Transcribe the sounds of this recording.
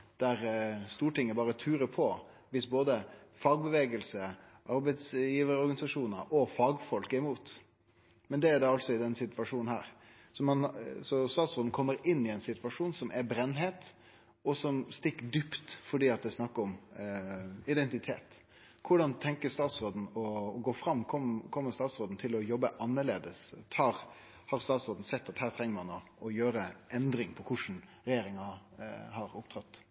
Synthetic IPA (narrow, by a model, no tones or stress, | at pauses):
d̪̥æɾst̪uːʈɪŋːəbɑːɾət̪ʰʉːɾəpʰɔ | ʋɪsboːd̪əfɑːɡ̚bəʋeːɡəlsə | ʔɑɾbɛɪt̪sjiːʋəɾəɔɾɡɑnɪsɑʂuːnəɾʔɔfɑːɡfɔlkæɪmuːt̪ | mɛnd̪ɛæɖ̪ɛɑlsɔɪd̪ɛnsɪt̪ʋɑʂuːnn̩hæ̰ːɾ | sɔmɑnsɔst̪ɑːt̪sɾoːd̪n̩kʰɔmːəɾɪnːɪɛɪnsɪt̪ʋɑʂuːnsɔmʔɛbɾɛnːɦeːt̪ | ɔsɔmst̪ɪkːəd̪ʏpt̪fɔɖiːɑt̪̚d̪ɛsnɑkːəɾɔm | ɪd̪ɛnt̪ɪt̪ʰḛːt̪ | kʰʊɖɑnt̪ʰɛŋkəst̪ɑːt̪sɾoːd̪n̩ɔːɡoːfɾɑmːkʰɔmkʰɔmːəɾst̪ɑːt̪sɾoːd̪n̩t̪ʰɪlɔjɔbːəʔɑnːəɾɭeːd̪əst̪ʰɑːɾ | hɑɾst̪ɑːt̪sɾoːd̪n̩sɛt̪ːɑt̪hæːɾt̪ʰɾɛŋːəɾmɑno | ɔjøːɾəʔɛnd̪ɾɪŋpʰɔkʰʊʂn̩ | ɾɛjeːɾɪŋɑ | hɑɾʊpt̪ʰɾɑt̪ː